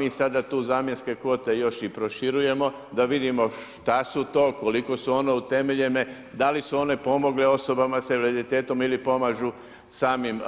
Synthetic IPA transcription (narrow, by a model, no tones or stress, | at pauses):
miːsad̪at̪uːzaːmjenske̞kʋo̞t̪e̞jo̞ʃipɾo̞ʃiɾuje̞mo̞ | d̪aʋid̪imo̞ʃt̪asut̪o̞ːko̞liko̞suo̞neut̪e̞meʎeme | d̪alisuo̞ne̞po̞mo̞ɡleo̞so̞bamaseɾed̪it̪e̞ːt̪o̞milipo̞maːʒu | saːmim